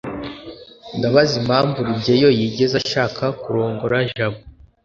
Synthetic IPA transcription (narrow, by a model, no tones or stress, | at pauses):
ndaβazimaːɱvuɾibɟejo̞jiɟe̞zaʃaːkʰakuɾo̞ːŋɡo̞ɾaʒaβu